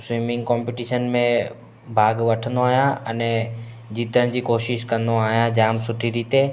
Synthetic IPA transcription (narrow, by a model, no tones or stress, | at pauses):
sʋimɪ̃ŋɡkɔ̃ːmpɪʈiːʃənmẽ | bʱaːɡʋɐʈʰə̃nd̪oaːɦijãɐnɛ | d͡ʑiːt̪əɽ̃d͡ʑiːkoːʃɪʃkɐ̃nd̪oaːɦijãd͡ʑaːmsʊʈʰiɾiːt̪e